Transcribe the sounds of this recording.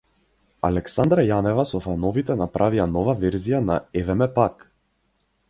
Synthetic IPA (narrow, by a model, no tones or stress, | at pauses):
alɛksand̪ɾajanɛvasɔfanɔvit̪ɛnapɾʔavianɔvavɛɾzijanaɛvɛmɛpak